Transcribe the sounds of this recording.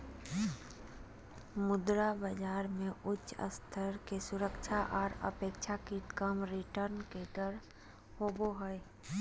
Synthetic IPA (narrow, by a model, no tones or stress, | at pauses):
mʊd̪ɾabəd͡ʒaːɾmẽʊt͡ʃːə̰st̪ʰəɾkesʊɾəkʃʰaʔɔːɾə̰peːkʃʰakikəmɾiʈəɾnkeɖəɾ | hoːboɦəe